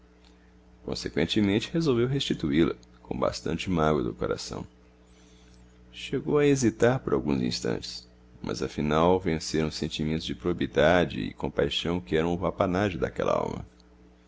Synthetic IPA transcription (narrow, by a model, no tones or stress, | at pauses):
kõ̰sekwẽt͡ʃɪmẽnt͡ʃɪ̥hezowvewɦest͡ʃit̪uilɐ̰kõw̃ba̰st̪ɐ̰̃nt͡ʃɪmaɡwɐd̪ʊkoɾa̰sɐ̰̃w̃ | ʃeɡowɐezit̪aɾpʊɾawɡũzḭ̃st̪ɐ̰̃nt͡ʃɪ̥s | mʔɐ̰zɐfinawvẽseɾɐ̃w̃sẽnt͡ʃimẽnt̪ʊzd͡ʒɪpɾoabid̪ad͡ʒɪɪkõpajʃɐ̃w̃kɪɛɾɐ̃w̃ʊvapanaʒʊd̪akɛ̰lɐ̰a̰wmɐ̰